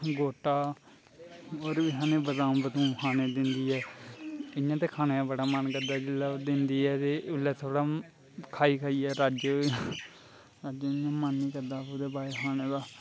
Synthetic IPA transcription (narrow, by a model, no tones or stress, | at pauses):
ɡoːʈaː | oːɾʋiɦaːnẽːbəzãːũːbət̪ũːkʰaːneːd̪ɪnd̪iːɛː | ɪjãːt̪̬eːkʰaːneːbəɽaːmənkəɾd̪aːd͡ʒɪlːaːd̪ɪnd̪iːɛːt̪eːʔʊlːɛːt̪ʰoːɽaː | kʰaːiːkʰaːiːɛːɾaːd͡ʒ | ɾaːd͡ʒəjãːmənːĩːkəɾd̪aːud̪eːbaːeːkʰaːneːd̪aː